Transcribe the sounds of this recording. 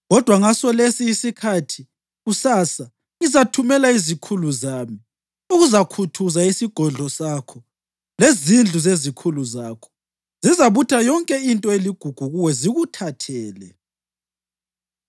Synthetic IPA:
ɣɔd̥ʱwaŋasɔlesiːsikʰatʰi | ɣusaːsa | ŋizatʰumɛlaizikʰuluzaːmi | uɣuzakʰutʰuzaisiɡ̥ʱɔɮʱɔsakʰɔ | lezind͡ɮʱuzezikʰuluzaːkʰɔ̥ | zizaβutʰajɔŋkʼɛintʼɔeliɡ̥ʱuɡ̥ʱuɣuwɛziɣutʰatʰɛːlɛ

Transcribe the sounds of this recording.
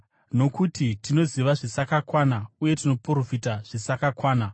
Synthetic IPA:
no̞kutitino̞ziʋaʐisakakwanauje̞tino̞poɾofitaʐ̥isakakwaːna

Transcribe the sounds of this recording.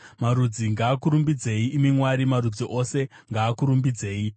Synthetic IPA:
maɾud͡ziŋɡaːkuɾumbid͡ze̞iʔːmimwaɾimaɾud͡ziʔo̞se̞ | ŋɡaːkuɾumbid͡ze̞ːi

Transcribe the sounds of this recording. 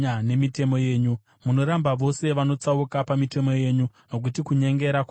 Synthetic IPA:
ane̞mite̞mo̞je̞ːɲu | muno̞ɾambaʋo̞se̞ʋano̞t͡saukapamite̞mo̞je̞ːɲu | no̞k̬utikuɲe̞ŋɡe̞ɾak

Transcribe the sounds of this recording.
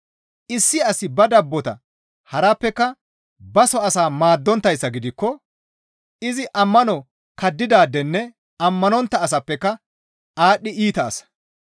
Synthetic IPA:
ʔɪsːɪɐsɪbɐd̪ɐbːɔt̪ɐ̰ | hɐɾɐpːɛkːɐ | bɐsɔɐsaːmaːd̪ːɔnt̪ːɐjsːɐɡɪd̪ɪkːɔ | ɪzɪʔɐmːɐnɔ | kɐd̪ːɪd̪aːd̪ɛnːɛ | ɐmːɐnɔnt̪ːɐːs̬ɐpːɛkːɐ | aːɗːɪʔiːt̪ɐːsɐ̥

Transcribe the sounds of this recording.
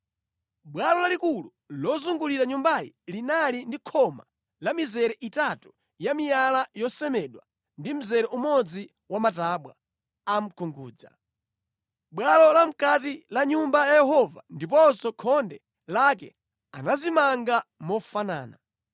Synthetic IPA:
ɓwalɔlalikulu | lɔzuŋɡuliɾaɲumbajḭlinalindikʰɔma̰ | lamizɛɾɛʔitatu | jamijalajɔsɛmɛɗwa | ndim̩zɛɾɛʔumɔd͡zi | wamataɓwa̰ | am̩kʰuŋɡuːd͡za̰ | ɓwalɔlam̩katilaɲumbajajɛhɔvandip̬ɔsɔkʰɔndɛ | lakɛ̰ | a̰nazimaŋɡamɔfana̰ːna

